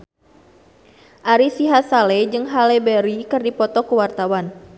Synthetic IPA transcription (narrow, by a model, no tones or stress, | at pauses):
ʔaɾisiɦasaled͡ʒɨŋɦalebɛɾikɨrdipɔt̪ɔkəwart̪awan